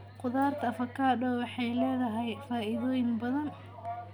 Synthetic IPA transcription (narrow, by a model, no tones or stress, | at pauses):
qʊðaːrt̪ʰɐfɐkʰːaːɖɔwɑħɛjlɛːðɐɦɛjfaːʔɪðɔːjɪŋbɐðɐn